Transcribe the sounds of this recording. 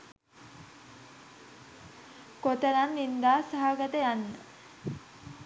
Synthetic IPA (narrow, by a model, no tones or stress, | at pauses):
kot̪əɾanːind̪aːsaɦaɡət̪əjanːə